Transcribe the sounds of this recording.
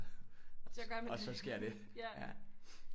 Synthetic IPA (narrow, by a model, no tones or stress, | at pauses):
ɡ̥mɒsɒ̽sɡ̥e̝ɐ̰d̥e̝ | jæ̰